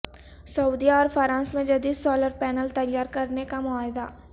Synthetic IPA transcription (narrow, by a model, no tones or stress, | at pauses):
sɐuːd̪ijaɔːɾfʰəɾãːsmẽd͡ʒɐd̪iːd̪sɔːləɾpɛːnəlt̪ɐjːaːɾkɐɾnekamʊaːɦɪd̪aː